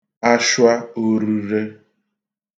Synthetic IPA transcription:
a˦ʃwa˦o˨ɾu˨ɾe˦

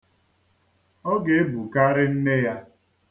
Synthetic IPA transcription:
ɔ˦ɡe˨e˦bu˨ka˦ɾɪ˦n̩˦ne˦ja˦

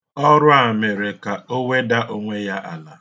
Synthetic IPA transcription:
ɔ˦ɾʊ˦a˨me˨ɾe˨ka˨o˦we˦da˦ʔo˦ŋʷe˦ja˦ʔa˨la˨

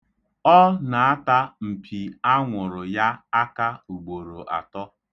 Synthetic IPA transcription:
ɔ˦na˨a˦ta˦m̩˨pʰi˨a˦ŋʷʊ˨ɾʊ˨ja˦a˦ka˦u˨ɡ͡bo˨ɾo˨ʔa̰˨tɔ˦

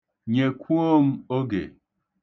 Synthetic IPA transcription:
ɲe˨kʷu˦o˦m̩˦o˦ɡḛ˨

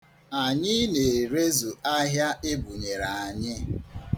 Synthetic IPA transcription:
a˨ɲɪ˦ne˨ɾe˦zu˨a˦ɦja˦ʔɪ˦bu˨ɲe˨ɾa˨a˨ɲɪ˦

